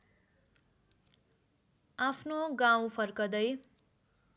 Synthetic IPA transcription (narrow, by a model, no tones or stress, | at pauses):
apʰnoɡaw̃pʰʌrkʌd̪ʌj